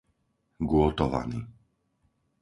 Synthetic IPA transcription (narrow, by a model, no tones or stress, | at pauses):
ɡʊɔt̪ɔʋa̰ni